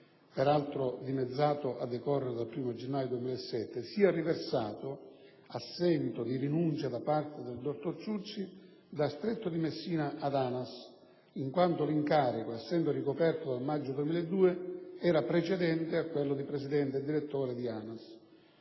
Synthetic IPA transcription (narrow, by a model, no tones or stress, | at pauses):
pɛɾalt̪ɾʊd̪imed̪zːaːt̪ʊʔad̪ːekɔrːeɾed̪alpɾiːmod͡ʒenːaːjod̪uemiːlɛɛsːɛt̪ːɪsiːariversaːt̪ʊ | asːɛnt̪ʊd̪iɾinunt͡ʃad̪apart̪ed̪eld̪ort̪orsut͡ʃːi | d̪ast̪ɾet̪ːʊd̪imesːiːnaʔːd̪aːnas | iŋkwant̪ʊliŋkaːɾikoɛsːɛnd̪orikopɛrt̪od̪almad͡ʒːʊd̪uemiːlɛd̪ːuːeɛːɾapɾet͡ʃɛd̪ɛnt̪ɪakːwelːʊd̪ipɾesid̪ɛnt̪ed̪iɾet̪ːɔːɾed̪iaːnas